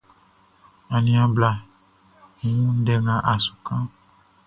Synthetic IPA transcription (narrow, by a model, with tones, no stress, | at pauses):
ã˨nĩ˨˦ã˨bla˨ | ŋ˨ũ˦ɖɛ˨ŋã˨ʔa˨su̥˨kã˦